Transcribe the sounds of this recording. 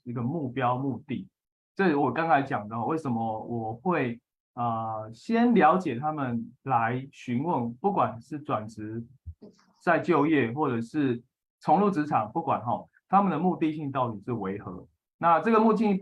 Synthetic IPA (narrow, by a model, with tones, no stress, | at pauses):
i˧˥ɡə˧mu˥˩pjɑ˦ʊmu˥˧t̪i˥˩ | ʈ͡ʂɤ˥˩wɔ˨˩kɑ˥˦ŋkʰa˧˦ɪt͡ɕjɑ˨˩ŋd̪ə˩xɔ˥˧we˥˩ɪʂə˧˦mə˦wʔɔ˨˩xwe˥˩ɪ | ə˨˩ɕjɛ˦nljɑ˧˥ʊt͡ɕjɛ˨˩t̪ʰa˦˥mə˨nla˧˦ɪɕy˧˥nwə˥˨npu˥˩kwa˨˩nʂɻ̩˥˩t͡swa˨˩nʈ͡ʂ̩ʰ˧˦˥ | t͡sa˥˧ɪt͡ɕjo˥˧ʊjɛ˥˩xwɔ˥˩ʈ͡ʂɤ˨˩ʂɻ̩˥˩ | t͡sʰo˧˥ŋlu˥˩t͡sɻ̩˧˥ʈ͡ʂʰɑ˨˩˦ŋpu˥˩kwa̰˨˩nxɔ˨˩ | t̪ʰa˦mə˨nd̪ə˩mu˥˧t̪i˥˧ɕi˥˧ŋt̪ɑ˥˩ʊt̪i˨˩ʂɻ̩˥˩we˧˥ɪxɤ̰˧˦ | na˥˧ʈ͡ʂɤ˥˩ɡə˨˩mu˥˧t̪i˥˩